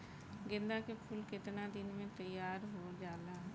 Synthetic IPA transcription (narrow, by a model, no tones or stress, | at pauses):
ɡɪ̃nd̪aːkepʰʊlkɪt̪naːd̪ɪnmẽːt̪əjaːɾɦoːd͡ʒaːlaː